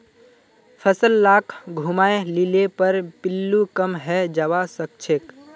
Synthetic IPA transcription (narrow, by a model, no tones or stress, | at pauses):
pʰəsəlːaːkʰɡʱumaːelilepəɾpɪlːukəmɦɛd͡ʒaʋasək̚t͡ʃʰek